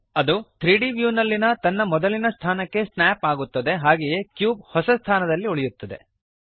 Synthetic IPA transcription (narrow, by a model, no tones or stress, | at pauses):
ɐd̪ut̪ʰɾiːɖiʋjuːnɐlːinɐt̪ɐnːɐmɔd̪ɐlinɐst̪ʰaːnɐkːe̞snaːpaːɡut̪ːɐd̪e̞ɦaːɡeje̞kjuːb̚hɔsɐst̪ʰaːnɐd̪ɐlːiuɭɛjut̪ːɐd̪ḛ